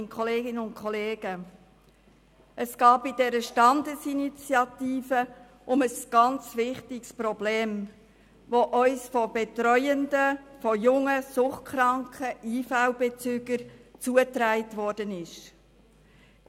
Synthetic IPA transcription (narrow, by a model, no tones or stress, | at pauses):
kʰχɔleːɡɪnəʊntkʰχɔleːɡ̥ə | ʔəsɡ̥ɑːb̥ɪd̥ɛɾəʃtɑndəsinit͡sjɑtiːfə | ʔʊməsɡ̥ɑnt͡svɪχtɪkspɾɔbleːm | ʋoʔœʏsfɔb̥etɾœʏəndəfɔjʊŋəsʊχkχɾɑŋkʰəiːfawbet͡syːɡəɾt͡suətɾæɪtvɔɾd̥ənɪʃ